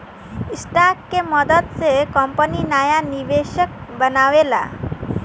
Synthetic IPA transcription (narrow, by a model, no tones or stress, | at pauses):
isʈakkeməd̪ət̪t͡sekəmpəninajaniʋeɕək̚bənaʋela̰